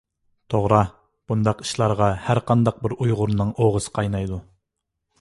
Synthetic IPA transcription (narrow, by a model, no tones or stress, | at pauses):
t̪ʰoʁɾɑ | b̥und̪ɑqi̥ʃlˠɑɾʁɑhæɾqʰɑnd̪ɑq̚bɪɾujʁʊɾnɨŋoʁəsɨ̥qʰɑjnɑjd̪u